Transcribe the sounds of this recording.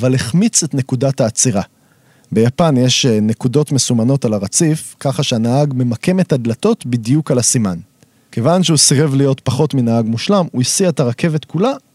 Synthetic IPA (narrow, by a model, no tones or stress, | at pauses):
valeχmit͡se̞tne̞kudathaːt͡siʁa | be̞japanje̞ʃne̞kudo̞tme̞sumano̞talaʁat͡sifkaχaʃeanaaɡme̞make̞me̞tad̪lato̞tbidijukalasiman | ke̞vanʃeusiʁe̞vlijo̞tpaχo̞tminaaɡmuʃlamuisietaʁake̞ve̞tkula